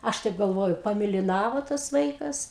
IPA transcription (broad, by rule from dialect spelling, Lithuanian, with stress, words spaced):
ˈɐʃ tɐɪp ɡɐlˠˈʋoːjʊ pɐmʲeːlʲɪˈnɑːʋoː tɐs ˈʋɐɪkɐs